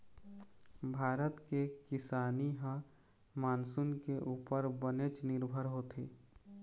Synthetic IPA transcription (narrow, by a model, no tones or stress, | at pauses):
bʱaːɾət̪kekɪsaːniɦə̃ | maːnsunkeʔuːpəɾbənet͡ʃnɪɾbʱəɾɦot̪ʰeː